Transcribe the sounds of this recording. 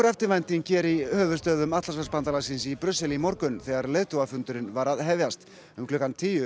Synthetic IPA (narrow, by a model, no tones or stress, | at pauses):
ɾɛft̪ɪɾvajnt̪iŋcɛːɾihœːvʏst̪œːðʏmat̪las̬aspant̪alasɪnsipɾʏsɛlimɔɾkʏnθɛɣaɾleːjðt̪owafʏnt̪ʏɾɪnvaɾaðɦɛvjast̪ | ʏmklʏːkant̪ʰiːjʏ